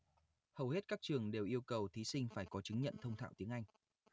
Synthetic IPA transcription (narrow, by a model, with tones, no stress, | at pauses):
hə˨˩whe˦˥t̚kaː˦˥k̚t͡ɕɨ˨˩əŋɗe˨˩wʔi˧əwkə˨˩wt̪ʰi˨˦sï˧ŋ̟faː˧˩jkɔ˨˦t͡ɕɨ˨˦ŋ̟ɲə̰˧˨nt̪ʰə˧wŋ͡mt̪ʰa̰ː˧˨wt̪i˨˦əŋʔa˧jŋ̟